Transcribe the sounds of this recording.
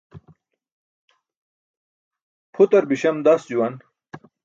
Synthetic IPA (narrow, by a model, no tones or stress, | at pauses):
pʰut̪ɐɾbiɕɐmd̪asd͡ʑuwɐn